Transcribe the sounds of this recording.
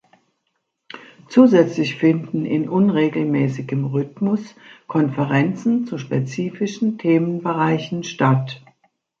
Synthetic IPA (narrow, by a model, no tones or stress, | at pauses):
t͡suːzɛt͡slɪçfɪndn̩ɪnʔʊnʁeːɡl̩mɛːsɪɡəmʁʏtmʊskʰɔnfəʁɛnt͡sn̩t͡suʃpet͡siːfɪʃn̩tʰeːmənbəʁaɪçn̩ʃtat